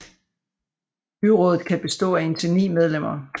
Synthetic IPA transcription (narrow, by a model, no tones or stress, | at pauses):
b̥yʁɔ̽ːð̞ˠð̩ˠkʰæb̥e̝sd̥ɔ̰̽ːæe̝nt͡sʰe̝nḭːmeð̞ˠlem̰ɐ